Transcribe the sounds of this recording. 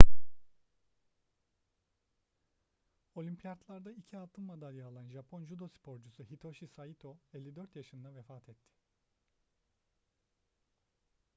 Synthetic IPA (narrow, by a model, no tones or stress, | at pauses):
o̞lʲympʰijaɾt̪lˠaɾd̪aicʰialˠt̪ʰːɯmmad̪alʲjaːlˠanʒapʰo̞nʒud̪o̞spʰo̞ɾd͡ʒusuɦit̪ʰo̞ʃisajit̪ʰoɛlʲːid̪øɾt̪jaʃɯnd̪avefaːt̪ʰɛt̪ʰːɪ̥